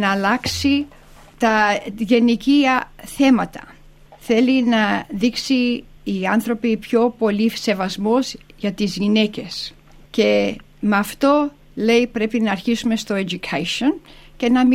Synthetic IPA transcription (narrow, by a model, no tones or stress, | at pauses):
nɐːlɐksi | t̪ɐʝe̞niciɐθe̞mɐt̪ɐ̥ | θe̞linɐðiksiː | ɐnθɾo̞pipço̞po̞lise̞vɐzmozʝɐt̪izʝine̞ce̞s | ce | meɐft̪o̞ | le̞ipɾe̞pinɐːɾçisume̞st̪o̞ed͡ʒukʰɐʃon | ce̞nɐm